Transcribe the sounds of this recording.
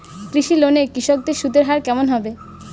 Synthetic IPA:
kɾiʃilonekɾiʃok̚d̪iɾʃud̪eɾɦaɾkɛmonɦɔbe

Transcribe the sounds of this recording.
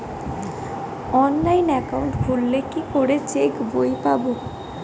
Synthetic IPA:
ɔnlajnɛkauɳʈbʱulːekikoɽet͡ɕekbojpabo

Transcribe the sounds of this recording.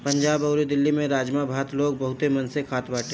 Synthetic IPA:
pɐ̃ɲd͡ʒaːbɐʊɾed̪ɪlːimẽɾaːd͡ʒmabʱaːt̪loːɡ̚bɐɦʊt̪emɐnsekʰaːt̪baːʈʰe

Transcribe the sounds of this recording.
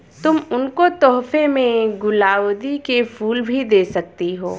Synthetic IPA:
t̪ʊmʊnkot̪ɔːɦfemẽɡʊlaːod̪ikefʰuːlbʱid̪eːsɐk̚t̪iɦoː

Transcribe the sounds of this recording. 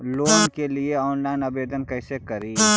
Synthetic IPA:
loːnkelieɔːnlaɪnɐbeːd̪ʱənkəɪsekɐɾiː

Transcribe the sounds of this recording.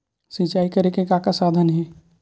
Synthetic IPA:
sɪ̃t͡ʃaːikɐɾekekaːkasaːd̪ʱənɦɛː

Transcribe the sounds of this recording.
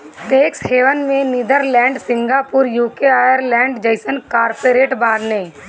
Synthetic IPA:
ʈeːksheːʋənmẽnɪd̪əɾlɛ̃ːɳɖsɪ̃ŋɡaːpuɾjuːkeaːjəɾlɛ̃ːɳɖd͡ʒəɪsənkaːɾpeɾeːʈbaːd̪nẽː

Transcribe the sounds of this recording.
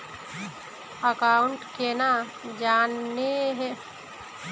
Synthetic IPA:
əkaːʊɳʈkena | d͡ʒaːnːeɦɛ

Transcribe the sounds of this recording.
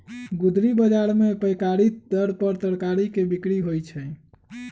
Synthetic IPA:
ɡud̪ɾibəd͡ʒaɾmepəjkaɾit̪d̪əɾpəɾt̪əɾkaɾikebikɽiɦojt͡ʃʰɛ

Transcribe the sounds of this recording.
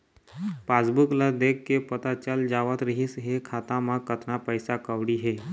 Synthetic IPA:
paːsbuklad̪ekːepət̪at͡ʃəld͡ʒaʋət̪ɾəɦisɦekʰaːt̪ãmãkət̪napəjsakəʋɽiɦeː

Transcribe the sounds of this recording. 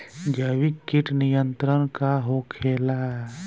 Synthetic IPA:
d͡ʒəwikːɪʈnijə̃nt̪ɾənkaɦokʰeːla

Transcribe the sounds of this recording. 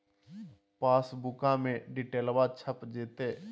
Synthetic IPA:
paːsbʊkãmẽɖɪʈeːlʋat͡ʃʰəpd͡ʒeːt̪eː

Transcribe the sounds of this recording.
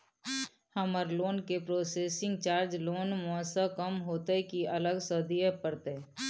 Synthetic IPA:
həməɾloːnkepɾoːseːsɪ̃ŋɡt͡ʃaːɾd͡ʒloːnmɔsəkəmɦoːt̪ekiɐləɡsəd̪iepəɾt̪e

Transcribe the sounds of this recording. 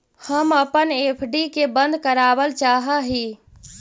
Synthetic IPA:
həməpənepʰɖikebənd̪ʱkəɾabəlt͡ʃaɦəɦi

